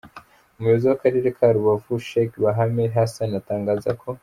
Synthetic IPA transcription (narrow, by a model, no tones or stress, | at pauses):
umjoziwakaɾiɾekʰaɾuβavuʃekβaɦameɦasanataːŋɡazakʰo